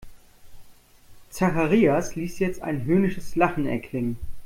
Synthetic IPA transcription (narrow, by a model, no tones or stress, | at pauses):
t͡sɛχaʁiːasliːsjɛt͡sta̰ɪnɦøːnɪʃəslaχn̩ɛɐkʰl̥ɪŋən